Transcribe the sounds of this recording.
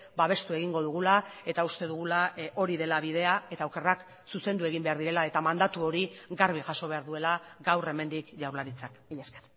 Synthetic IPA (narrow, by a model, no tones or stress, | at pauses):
baβ̞e̞st̪ue̞ɣiŋɡo̞ðuɣ̞ulae̞t̪aust̪e̞ðuɣ̞ulao̞ɾiðe̞laβið̞e̞ae̞t̪awke̞rak | suse̞nd̪ue̞ɣ̞imbe̞aɾðiɾe̞lae̞t̪amand̪at̪uo̞ɾiɡaɾβ̞iʝaso̞β̞aɾðue̞laɡawre̞me̞nd̪ikʝawɾlaɾit͡sakiʎesker